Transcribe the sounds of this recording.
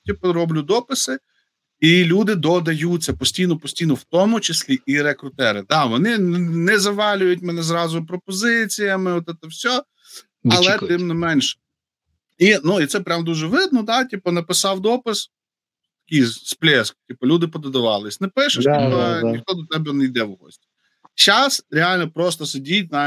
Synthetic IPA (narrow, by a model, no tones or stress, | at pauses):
tʲipɔɾɔblʲʊd̪ɔpɪsɪ | ilʲud̪ɪd̪ɔd̪ɐjut͡sʲːɐpɔsʲtʲijnɔpɔsʲtʲijnɔwt̪ɔmʊt͡ʃɪsʲlʲiiɾekɾʊt̪ɛɾɪd̪ɑʋɔnɪnnɛzɐʋɑlʲʊjʊt̚ʲmɛnɛzɾɑzʊpɾɔpɔzɪt͡sʲijɐmɪɔt̪ɛt̪ɐwsʲɔ | ɐlˠɛt̪ɪmnɪmɛnʲʃ | inuit̪sɛpɾʲamd̪uʒɛʋɪd̪̚nɔt̪ɑtʲipɔnɐpɪsɑwd̪ɔpɪs | t̪ɐ̥kʲijsplʲɛskʊ̥tʲipɔlʲud̪ɪpɔd̪ɐd̪ʊʋɑ̰lˠɪsʲnɛpɪʃɪʃt̪ʲipɐnʲixt̪ɔd̪ɔt̪ɛbɛnɛjd̪ɛwɦɔ̰sʲtʲi̥ | t͡ʃɑsɾʲeɑlʲnɔpɾɔst̪ɔsɪdʲit̚ʲna